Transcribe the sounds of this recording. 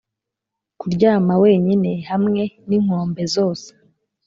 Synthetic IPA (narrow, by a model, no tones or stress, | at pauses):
kuɾɟaːmawe̞ːɲine̞hamŋe̞niŋ̥o̞ːmbe̞zo̞ːse̥